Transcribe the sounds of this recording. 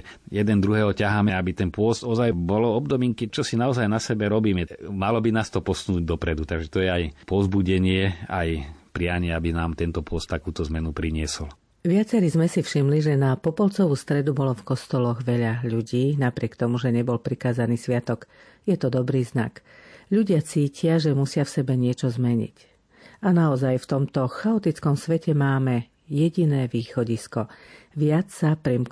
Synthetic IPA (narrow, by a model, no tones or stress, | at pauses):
jɛd̪ɛnd̪ɾuɦɛːɦɔcaɦaːmɛabit̪ɛnpʊɔst̪ɔzajbɔlɔɔbd̪ɔmiːŋkɛt͡ʃɔsinaɔzajnasɛbɛɾɔbiːmɛmalɔbinaːst̪ɔpɔsunuːɟ̚d̪ɔpɾɛd̪ut̪aɡʒɛt̪ɔjɛajpɔzbuɟɛɲɪɛa̰jpɾɪaɲɪɛabinaːmt̪ɛnt̪ɔpʊɔst̪ːakuːt̪ɔzmɛnupɾiɲɪɛsɔl | ʋɪat͡sɛɾizmɛsifʃimliʒɛnapɔpɔlt͡sɔʋuːst̪ɾɛd̪ubɔlɔfkɔst̪ɔlɔɣʋɛʎaʎuɟiːnapɾɪɛkt̪ɔmuʒɛɲɛbɔlpɾikaːzaniːsʋɪat̪ɔk | jɛt̪ɔd̪ɔbɾiːzna̰k | ʎuɟɪat͡siːcɪaʒɛmusɪafsɛbɛɲɪɛt͡ʃɔzmɛɲḭc | anaɔzajft̪ɔmt̪ɔxaɔt̪it͡skɔmsʋɛcɛmaːmɛ | jɛɟinɛːʋiːxɔɟiskɔʋɪat͡ssapɾim